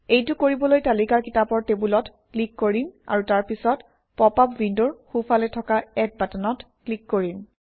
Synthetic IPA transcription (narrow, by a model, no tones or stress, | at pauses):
ejtʊkoɹibɔlojtalikaɹkitapɔɹtebulɔt | klikːoɹina̰ɹutaɹpisɔt | pɔpapwinduɹxupʰalɛtʰɔkaɛt̚batanɔt | klikːoɹin